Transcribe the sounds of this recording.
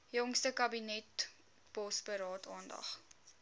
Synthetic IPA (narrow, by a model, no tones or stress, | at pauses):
jɔŋstəkɐbinɛt | b̥ɔsbəɾɑːtʰɑːndɐ̰χ